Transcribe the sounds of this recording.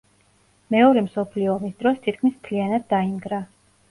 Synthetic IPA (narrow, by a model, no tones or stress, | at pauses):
mɛɔɾɛmsɔpʰliɔːmisd̪ɾɔst̪ʰit̪kʰmismt̪ʰlianad̪̚ːaimɡɾa